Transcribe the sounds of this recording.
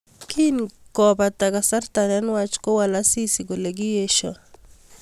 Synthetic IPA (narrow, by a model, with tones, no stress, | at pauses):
kʰi˦nkɔpa˨t̪a˨ka˨sa˦rt̪a˨nɛ˦nwa˦t͡ʃko˦wa˨la˦si˦si˨ɡo˨le˨ɡɪ˦je˦ʃɔ̰˨